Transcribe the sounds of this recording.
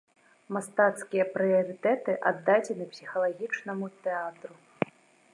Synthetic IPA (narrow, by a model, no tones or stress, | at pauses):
mast̪at̪skʲijɐpɾɨjɐɾɨt̪ɛt̪ɨʔa̰d̪ːad͡zʲɛnɨpsʲixɐlˠaɣʲit͡ʂnɐmut̪ɛat̪ɾu